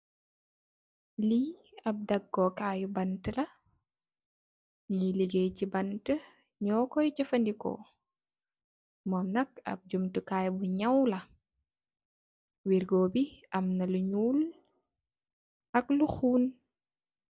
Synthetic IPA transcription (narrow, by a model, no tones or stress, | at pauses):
li | ɐb̚dɐɡːɔkajubɐntəlɐ | ɲiliɡejcibɐntə | ɲɔːkɔjcɐfɐndikɔ̰ | mɔːmnɐk̚ɐ̰b̚ɟumtukaːjbuɲɐwlɐ | wiɾɡɔːbiʔɐmnɐluɲuːl | ɐkluxuːn